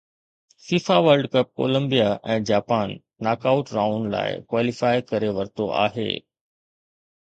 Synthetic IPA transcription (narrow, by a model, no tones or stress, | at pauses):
fiːfaʋəɾɖkɐp̚ko̰ːlə̃mbijaʔɛ̃ːd͡ʑaːpaːnː | aːkaːʊʈɾaːʊnla̰ːɪ̰kwʋaːlɪfaːɪkɐɾeʋɐɾt̪oa̰ːɦḛː